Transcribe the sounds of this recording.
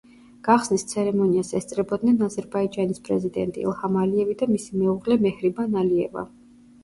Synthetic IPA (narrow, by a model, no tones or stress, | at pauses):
ɡ̥aχsnist̪sʰɛɾɛmɔniasɛst̪sʼɾɛbɔd̪nɛnazɛɾbaid͡ʒanispʼɾɛzid̪ɛnt̪ʼḭlˠhamaliɛvid̪amisimɛuʁlɛmɛhɾibanaliɛva̰